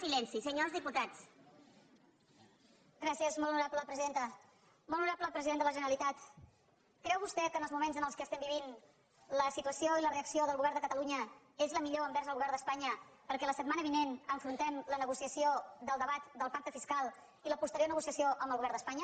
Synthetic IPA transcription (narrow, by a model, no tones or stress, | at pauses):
silɛnsisəɲozðiput̪at͡s | ɡɾasiəzmɔlˠnuɾapləpɾəziðent̪ə | mɔlˠnuɾapləpɾəziðend̪ələʒənəɾəlit̪at̪ | kɾɛwβust̪ɛkənəlˠzmumenzənəlˠskəːst̪ɛmbiβin | ləsit̪uəsjoiləreəksioðəlɣuβɛɾrnd̪əkət̪əluɲə | ezləmiʎoəmbɛɾzəlɣuβɛɾnd̪əspaɲəpəɾkɛləsət̪̚manəβinenəɱfɾunt̪ɛmlənəɣusiəsiod̪əlˠd̪əβat̪d̪əlˠpak̚t̪əfiskalˠ | iləpust̪əɾjoɾnəɣusiəsioʔəmbəlˠɣuβɛɾnd̪əspaɲə